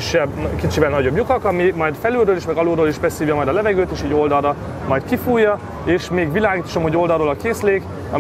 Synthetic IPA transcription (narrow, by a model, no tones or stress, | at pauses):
iʃɛbkit͡ʃivɛlnɒɟo̞bjukɒkɒmimɒjd̪fɛlylrøːliʃmɛɡɒluːɾoːliʃbɛshiːvjɒmɒjd̪ɒlɛvɛɡøːt̪eːʃiːɟo̞ld̪ɒlːɒ | mɒjt̪kifuːjːɒ | eːʃmeːɡʋilaːɡiːt̪o̥ʃomho̞ɟo̞ld̪ɒlroːlɒkeːsleːɡ | ɒ̰